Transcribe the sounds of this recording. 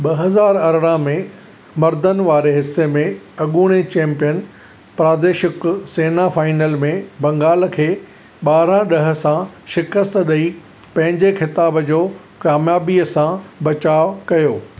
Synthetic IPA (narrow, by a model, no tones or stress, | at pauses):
ɓɐɦɐzaːɾɐɾɽãmẽ | mɐɾd̪ʱənɪ̆ʋaːɾeɦɪsːemẽɐɠuːɽ̃et͡ɕɛ̃ːmpijən | pɾaːd̪eːʃɪkseːnafaːɪnəlmẽbɐ̃ŋɡaːl̆kʰeː | ɓaːɾãɗɐɦə̆sãʃɪkəst̪ɗɐi | pɐ̃ɦɪ̃ɲd͡ʑexɪt̪aːbd͡ʑoː | kaːmjaːbiəsãbɐt͡ɕaːʋkɐjoː